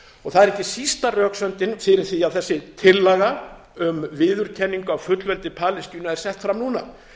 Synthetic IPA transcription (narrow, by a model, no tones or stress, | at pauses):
ɔɣθaðɛɾɛhcːɪsist̪arœːksœnt̪ɪnfɪɾɪɾ̥θiavθɛsːɪt̪ʰɪlːaɣa | ʏmvɪːðʏɾ̥cʰɛnːiŋkʏawfʏt̪lvɛlt̪ɪpʰaːlɪsc̪yːnaɛɾ̥sɛht̪fɾamnuːna̰